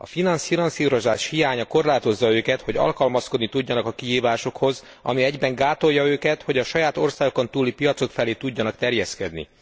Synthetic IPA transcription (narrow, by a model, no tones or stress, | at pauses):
ɒ̰finɒnsinɒnsiːɾo̞zaːʃhijaːɲɒko̞rlaːt̪o̞zːɒøːkɛt̪ho̞ɟɒ̰lkɒlmɒsko̞d̪nit̪uɟːɒnɒkɒkiɦiːvaːʃo̞kho̞z | ɒ̰miɛɟbɛŋɡaːt̪o̞jːɒøːkɛt̪ho̞ɟɒʃɒjaːt̪o̞rsaːɡo̞ko̞nt̪uːlipijɒt̪so̞kfɛleːt̪uɟːɒnɒkt̪ɛrjɛskɛd̪nḭ